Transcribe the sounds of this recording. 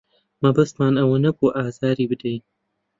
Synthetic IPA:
mɐbɐst̪maːnɐwɐnɐkoʔaːzaːɾiːbɨd̪ɐj

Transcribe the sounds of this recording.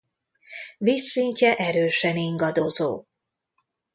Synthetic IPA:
visːiɲcɛʔɛɾøːʃɛniŋɡɒd̪o̞zo̰ː

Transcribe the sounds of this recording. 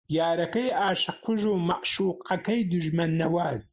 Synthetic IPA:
jaːɾɐkɐjaːʃɨqʰʊʒuːmɐʔʃuːqʰɐkɐjd̪uʒmɛnːɐwaːz

